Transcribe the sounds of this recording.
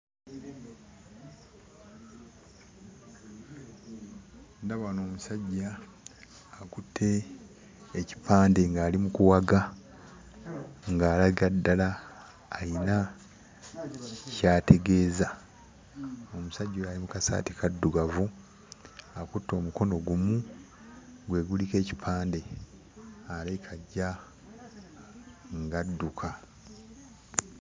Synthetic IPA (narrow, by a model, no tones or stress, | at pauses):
ndaβano̞ːmusaɟːaː | kutʰːe̞ː | ci̥pʰaːnde̞ŋɡaːlimukuwaɡa | ŋɡaːlaɡadːalaː | jina | caːtʰe̞ɡe̞ːza | o̞musaɟːulaːlimukasa̰ːti̥kadːuɡavu | akutːo̞ːmuko̞no̞ɡumu | ɡwe̞ːɡulike̞ːci̥pʰaːnde̞ | alekʰaɟːa | ŋɡadːukʰa